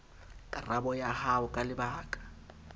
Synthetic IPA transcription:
kʼarabɔjahaʊkʼalɪbaːkʼḁ

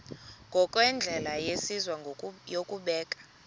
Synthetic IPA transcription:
ŋɡʱɔkʼwɛnd͡ɮʱɛlajesizwajokʼuɓɛːkʼḁ

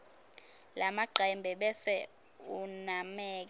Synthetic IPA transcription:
lʔamaɡ͡ǃʱɛmbʱɛɓɛsɛ | unamɛːk̬

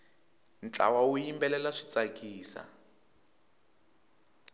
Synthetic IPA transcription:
nt͡ɬʼa̰waujimbɛlɛlaʂi̥t͡sakʼiːsa̰

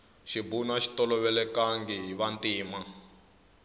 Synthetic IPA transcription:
ʃibunaʃi̥tɔlɔβɛlɛkaŋɡiɦiβantiːma

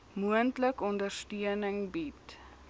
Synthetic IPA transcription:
muəntləkɔndərstiənəŋbit

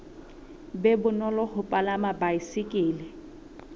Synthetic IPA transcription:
bɛbʊnɔlɔhʊpʼalamabaisɪkʼɪːlɪ

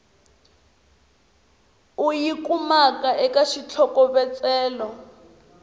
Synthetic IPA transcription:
ujikumakaʔɛkaʃit͡ɬʰɔkɔβɛt͡sʼɛːlɔ

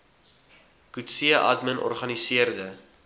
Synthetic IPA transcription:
kutsiəʔɐ̰dmənʔɔ̰rχɐnisiərdə

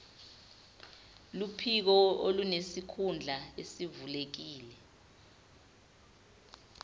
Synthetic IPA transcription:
lupʰik̬ɔolunesikʰund͡ɮʱaesivulek̬iːlɛ

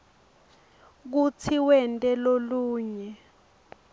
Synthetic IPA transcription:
k̬ut͡sʰiwɛntʼɛloluːɲɛ

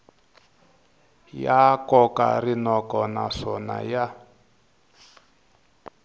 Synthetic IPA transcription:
jakɔka̰rinɔkɔnaʂɔna̰ja

